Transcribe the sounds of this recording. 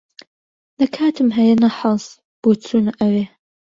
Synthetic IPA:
lɐkʰaːt̪ʰɨmɦɐjɐnɐħɑz | b̥ot͡sʰuːnɨʔɐweː

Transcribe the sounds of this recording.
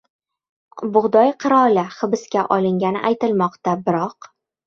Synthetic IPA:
bʊʁd̪ɒjqʰɨɾɒlaχɨbɪskʲaʔɒlˠɪŋɡʲanɪ̰ʔajt̪ɪlmɒqt̪abɪɾɒq

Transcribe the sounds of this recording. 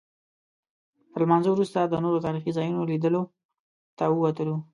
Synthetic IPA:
t̪əɾlmɑnzowɾust̪ad̪ənoɾot̪ɑɾixizɑjunolid̪əlo | t̪aəwat̪əlu

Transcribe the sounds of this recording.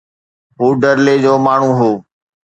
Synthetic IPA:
ɦuːɖəɾleːd͡ʑoːmaːɳ̤ũːɦoː

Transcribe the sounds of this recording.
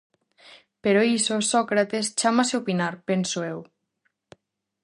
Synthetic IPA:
peɾoisosɔkɾat̪est͡ʃamaseopinaɾpensoew

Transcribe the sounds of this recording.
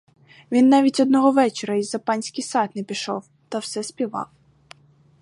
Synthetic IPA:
ʋʲinːɑʋʲitʲɔd̪̚nɔɦɔʋɛt͡ʃeɾɐizɐpɑnʲsʲkɪjsɑt̪nɛpʲiʃɔ̰w | t̪ɐwsɛspʲiʋɑ̰w

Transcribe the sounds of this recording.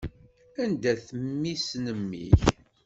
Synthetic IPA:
ænd̪æθəmːisnəmːḭç

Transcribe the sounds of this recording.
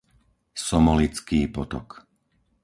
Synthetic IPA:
sɔmɔlit͡skiːpɔt̪ɔ̰k

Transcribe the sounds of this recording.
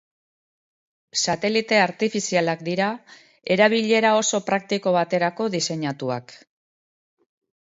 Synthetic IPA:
sat̪e̞lit̪e̞aɾt̪ifisialakd̪iɾa | e̞ɾaβ̞iʎe̞ɾao̞so̞pɾak̚t̪iko̞β̞at̪e̞ɾako̞ðise̞ɲat̪ua̰k

